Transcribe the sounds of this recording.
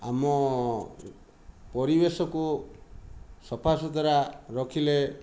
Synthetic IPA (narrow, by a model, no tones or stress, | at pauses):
a̰mɔ | pɔɾibesɔku | sɔpʰasɔd̪ʱaɾaɾɔkʰile